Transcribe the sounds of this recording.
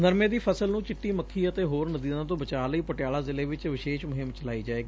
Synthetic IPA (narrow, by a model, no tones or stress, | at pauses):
nəɾmẽːd̪iːpʰəsəlnũːt͡ʃɪʈːiːməkʰːiːət̪eːɦoːɾnəd̪iːzãːt̪̬õːbət͡ʃaːləiːpəʈjaːlaːzɪleːʋɪt͡ʃʋɪʃeːʃmʊɦɪmt͡ʃəlaːiːd͡ʒaːeːɡiː